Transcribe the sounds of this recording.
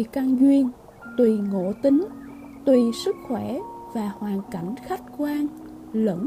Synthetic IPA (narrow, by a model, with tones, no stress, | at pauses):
ka˧ŋzwi˧ən | t̪wi˨˩ŋo̰˧˥t̪ï˨˦ŋ | t̪wi˨˩sɨ˦˥k̚xwɛ˧˩vaː˨˩hwaː˨˩nka˧˩jŋ̟xa˦˥jk̟̚kwaː˧n | lə˧˥